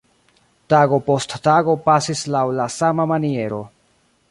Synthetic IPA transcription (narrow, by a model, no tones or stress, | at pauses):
taɡo̞po̞sttaɡo̞pasislawlasamamanie̞ɾo̞̰